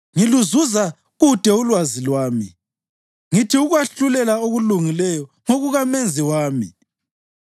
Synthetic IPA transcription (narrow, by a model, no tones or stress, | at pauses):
ŋiluzuza | ɣud̥ʱɛulwazilwaːmi | ŋitʰiuɣwaɬulɛlaoɣuluŋilɛjɔ | ŋoɣuɣamɛnd͡zʱiwaːmḭ